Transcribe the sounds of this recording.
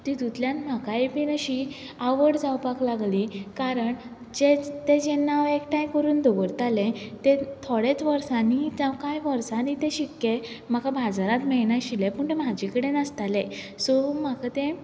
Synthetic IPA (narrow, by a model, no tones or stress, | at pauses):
t̪id̪ut̪ljãnm̤akajbinəɕi | aʋəɽd͡zawpaklaɡlikaɾəɳ | d͡ʑet̪ed͡ʑenːaʋekʈajkəɾuːnd̪ʱɔɡəɽt̪alẽt̪ẽt̪ʰoɽet͡sʋəɾsãnid͡zawkajʋəɾsãnit̪ẽɕikːem̤akabʱad͡zaɾãt̪mɛjnaɕilẽpəɳt̪em̤ad͡ʑikəɽẽnast̪alẽ | sɔm̤akat̪ẽ